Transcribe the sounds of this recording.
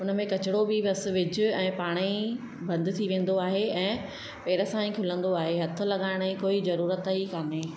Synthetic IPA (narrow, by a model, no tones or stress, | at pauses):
ʊnə̆mẽkɐt͡ɕɪɽobɪbɐs̆ʋɪd͡ʑʊ̆ɛ̃ːpaːɽ̃i | bɐ̃nd̪t̪ʰiʋẽːn̆d̪oaːɦeɛ̃ː | pɛːɾəsãːĩkʰʊlə̃nd̪oaːɦeɦɐt̪ʰʊ̆lɐɠaːɪɽ̃ikoːizɐɾuːɾət̪ɦikaːneː